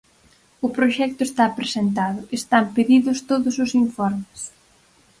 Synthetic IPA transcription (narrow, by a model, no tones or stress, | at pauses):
ʊpɾoʃɛk̚t̪ʊest̪apɾesent̪̬aðʊʔest̪ampeðiðʊst̪oðʊsʊsiɱfɔɾmes